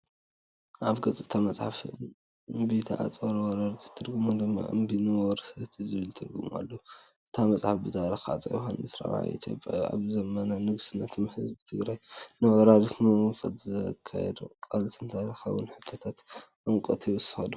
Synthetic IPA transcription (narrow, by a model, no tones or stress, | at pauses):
ʔaβɡɐt͡sʼɨt̪ʰamɐt͡sʼħaf | bit̪ʰaʕa̰t͡sʼɐɾɐwɔɾaɾt̪ʰi̥t̪ʰːɨɾɡumod̪ɨmːa̰ʔɨ̰mbinɨwɔɾsɐt̪ʰizɨβɨlt̪ʰɨɾɡṵmuʔa̰lːɐu | ʔɨt̪ʰamɐt͡sʼħafbɨt̪ʰaɾɐxa̰t͡sʼɐ̰jxa̰nɨsɾa̰βʕa̰ʔḭt̪ʰjo̞̰pʼja̰ja̰βzɐmɐnanɨɡsɨnɐt̪ʰɨmħɨzbɨt̪ʰɨɡɾajnɨwɔɾaɾt̪mɐkʰɐt̪zɐkʰːa̰jɛ̰d̪kʼalt̪ʰɨnt̪ʰaɾɐxawʊ̰nħɨt̪ʰɐt̪ʰat̪ʔɐŋkʼɐt̪ʰiwɨsɨ̥xɐd̪u